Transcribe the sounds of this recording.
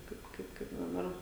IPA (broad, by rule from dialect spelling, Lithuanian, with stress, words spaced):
ˈkɐɪp ˈkɐɪp kɐɪp dɐˈbɐr